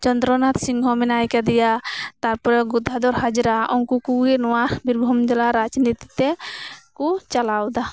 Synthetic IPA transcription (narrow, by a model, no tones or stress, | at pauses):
t͡ʃɔnd̪ɾɔnat̪siŋɦɔmɛnajkad̪ɛjat̪aɾpɔɾɛɡud̪ʱːad̪ɔɾɦad͡ʒɾaʔɔŋkukuɡɛnɔwabiɾbʱɔmd͡ʒ̪ɛlaɾad͡ʒnit̪i̥t̪ɛkut͡ʃalawd̪a